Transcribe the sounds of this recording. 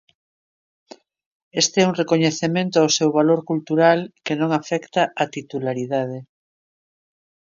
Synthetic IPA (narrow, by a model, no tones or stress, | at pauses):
est̪eɛuŋrekoɲeθemẽnt̪oawsewβaloɾkult̪uɾalkenõŋafɛkt̪aat̪it̪ulaɾiðað̞e